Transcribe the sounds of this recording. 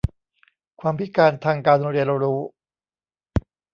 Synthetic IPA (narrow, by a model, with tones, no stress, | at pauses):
kʰwaː˧mpʰi˦˥kaː˧nt̪ʰaː˧ŋkaː˧nː˧ɾiː˧ɾa˧ɾuː˦˥